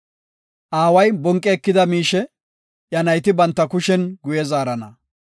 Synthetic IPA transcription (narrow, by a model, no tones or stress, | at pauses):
ʔaːwɐjbɔŋkʼːɛːkːɪd̪ɐmiːʃɛ | jɐnɐjt̪ɪbɐnt̪ːɐkʊʃɛnɡʊjɛzaːɾɐnɐ